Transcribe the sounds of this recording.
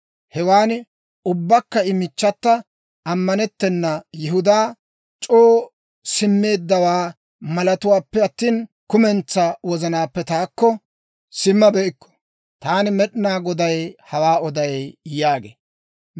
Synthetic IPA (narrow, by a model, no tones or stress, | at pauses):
hɛwaːn | ʊbːɐkːɐɪmɪt͡ʃːɐt̪ːɐ | ʔɐmːɐnɛt̪ːɛnːɐjɛɦʊd̪aː | t͡ʃʼoː | sɪmːe̞ːd̪ːɐwaː | mɐlɐt̪ʊwaːpːɛɐt̪ːiːn | kʊmɛnt͡sːɐwɔzɐnaːpːɛt̪aːkːɔ | sɪmːɐbɛʔɪkːɔ̥ | t̪aːnɪmɛɗɪnaːɡɔd̪ɐjhɐwaːɔd̪ɐjjaːɡḛː